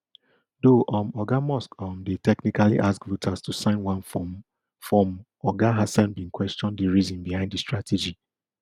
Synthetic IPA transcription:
doʔɔ̃mɔɡamɔskɔ̃mdetɛknikalḭʔaskvutʰastusãɪ̃nwãnf | fɹɔ̃m | ɔɡaɦasãnbĩnkwɛstɔ̃ndiɹizɔ̃nbihãɪ̃ndistɹatʰed͡ʒi

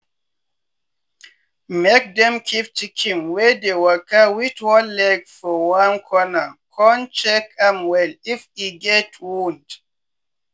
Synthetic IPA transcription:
mɛk̚dɛ̃mkʰip̚t͡ʃikʰĩŋwɛdewakawitwɔnlɛɡfɔwãnkʰɔnakʰɔnt͡ʃɛkãmwɛlifiɡɛtʰwũnd

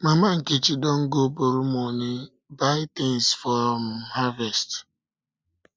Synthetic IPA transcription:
mamaŋ̩ket͡ʃidɔŋ̩ɡoboɾumoɲe | baɪtensfɔɾɔm̩havest

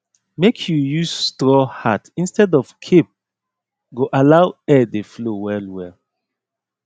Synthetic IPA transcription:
mekʰjujusstɹɔhatĩnstɛdɔfkʰep̚ | ɡoʔalaʊɛdeflowɛlwɛl

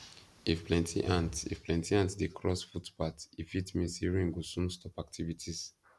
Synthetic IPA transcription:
ifplɛ̃ntʰḭʔãntḭfplɛ̃ntiãntdekʰɹɔsfutpatifitmĩsiɹĩŋɡusũnstʰɔpak̚tʰivitʰis

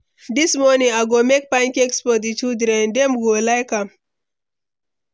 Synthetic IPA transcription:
dismɔnĩŋaɪɡomek̚pãɪ̃nkɛkspɔtitudɾɛ̃ndɛmɡolaɪkãm

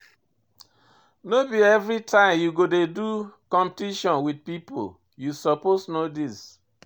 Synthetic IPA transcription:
nobiɛvɾitʰãɪ̃mjuɡodedukɔ̃mpetiʃɔ̃nwid̚pipo̰l | jusɔposnodis

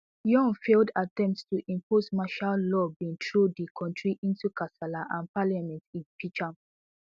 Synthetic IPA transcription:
jɔ̃ŋfeldatɛ̃mp̚tstuʔĩmposmaʃallɔbĩŋtʰɹodikʰɔ̃ntɹiʔĩntukasalaʔãnpaljamɛ̃ntĩnpit͡ʃãm

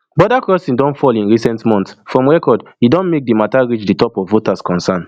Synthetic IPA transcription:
bɔdakɹɔsĩndɔ̃ntfɔlĩnɹisɛ̃ntmɔ̃ntsfɹɔ̃mɹɛkɔd | idɔ̃nmek̚dimataɹit͡ʃditɔpɔvːotaskɔ̃nsãn

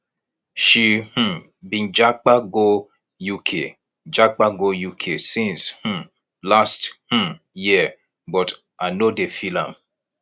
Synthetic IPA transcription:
ʃih̩ | bĩnd͡ʒak͡paɡo | jukʰe | d͡ʒak͡paɡojukʰesĩnshũ | lasth̩ | jiə | bɔt | ʔanodefilãm

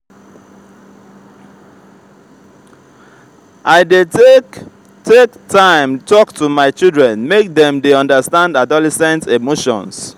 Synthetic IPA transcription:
ʔaɪde | tektãɪ̃mtʰɔktʰumaɪt͡ʃildɹɛ̃nmek̚dɛ̃mdeɔ̃ndəstãndadɔlɛsɛ̃ntemoʃɔ̰̃ns

